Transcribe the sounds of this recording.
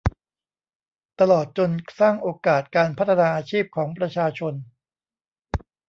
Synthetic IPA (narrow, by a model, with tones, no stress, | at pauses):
t̪a˧lɔː˨˩t̪̚t͡ɕo˧nsaː˥˩ŋʔoː˧kaː˨˩t̪̚kaː˧npʰa˥t̪ʰːa˧naː˧ʔaː˧t͡ɕʰiː˥˩p̚kʰɔː˩˦ŋpɾa˧t͡ɕʰaː˧t͡ɕʰo˧n